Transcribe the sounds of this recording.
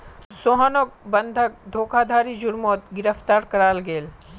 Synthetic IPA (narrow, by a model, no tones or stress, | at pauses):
soɦənok̚bɐnd̪ʱək̚d̪ʱoːkʰaːd̪ʱaːɾid͡ʒʊɾmoːt̪̚ɡɪɾəft̪aːɾkɐɾaːlɡeːl